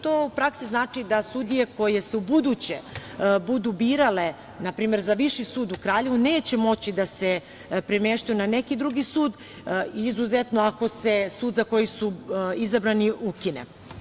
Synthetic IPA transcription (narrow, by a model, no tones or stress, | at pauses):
t̪oupɾaksiznaːt͡ʂid̪asud̪ije̞ko̞je̞seubud̪ut͡ɕḛbud̪ubiːɾale̞ | napɾiːme̞ɾzaʋiʃisuːd̪ukɾaːʎe̞ʋune̞ːt͡ɕe̞mo̞t͡ɕid̪ase | pɾemeʃt̪ujunane̞kid̪ɾuɡisuːd̪ | izuzet̪noako̞se̞suːd̪zako̞jisuizabɾaniʔukine̞̰